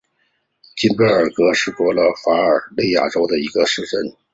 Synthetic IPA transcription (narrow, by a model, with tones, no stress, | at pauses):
t͡ɕi˥npə˥ə˞˨˩kɤ˧˥ʂɻ̩˥˩kwɔ˥lə˧˥fa˧˥ə˞˨˩li˥˩ɪja̰˨˩ʈ͡ʂo˥ʊd̪ə˨i˧˥ɡə˧ʂɻ̩˥˧ʈ͡ʂə˥˩n